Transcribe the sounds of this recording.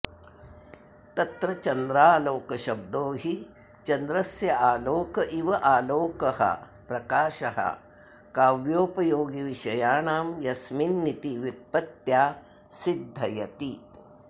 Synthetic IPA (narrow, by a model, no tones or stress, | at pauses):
t̪ɐt̪ɾɐt͡ʃɐnd̪ɾaːloːkɐʃɐb̚d̪oːɦi | t͡ʃɐnd̪ɾɐsjɐaːloːkɐʔiʋɐʔaːloːkɐhɐ̰ | pɾɐkaːʃɐhɐ̰ | kaːʋjoːpɐjoːɡiʋiʃɐjaːɳaːmjɐsminːit̪iʋipːɐt̪jaː | sid̪ʱːɐjɐt̪i